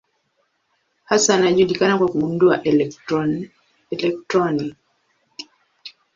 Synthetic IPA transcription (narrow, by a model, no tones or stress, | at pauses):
hasanaʄuɗikanakwakuɓundua̰ʔ | ɛlɛk̚tɾɔni